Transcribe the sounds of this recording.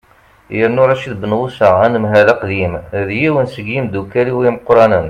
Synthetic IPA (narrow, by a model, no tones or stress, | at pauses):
jəɾnuɾˤɑʃiðbənwusəʁænəmɦælæqðimðjiwənsəɡːimd̪ukːæliwiməqɾˤɑnən